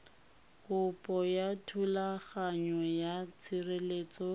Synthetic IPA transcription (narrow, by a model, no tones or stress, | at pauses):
kʊpʼɔjatʰulaχaɲɔjat͡sʰɪreleːt͡sɔ